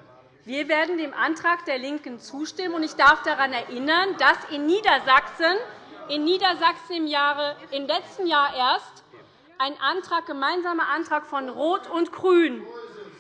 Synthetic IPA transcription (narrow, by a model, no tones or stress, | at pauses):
v̥iːɐveːɐdn̩deːmʔantʁ̥aːkd̥eːɐlɪŋkən̩t͡suːʃtɪmənʊntɪçd̥aɐfd̥aʁanɛɐʔɪnɐnd̥asɪnːiːdɐzaksənʔɪnːiːdɐzaksn̩ɪmjaːʁəɪmlɛt͡stn̩jaːɐʔeːɐst | ʔaɪnʔantʁ̥aːk̚ɡ̥əmaɪnzaːmɐʔantʁ̥aːkfɔnʁoːtʰʊntɡ̥ʁ̥yːn